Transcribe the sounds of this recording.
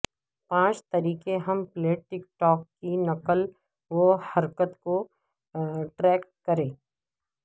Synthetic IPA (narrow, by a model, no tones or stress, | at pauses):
pãːt͡ʃt̪ɐɾiːkeɦɐmpleːʈ̚ʈːɪk̚ʈɔːkːinɐkəl | ʋohɐɾkət̪ko | ʈɾɛːkkɐɾẽː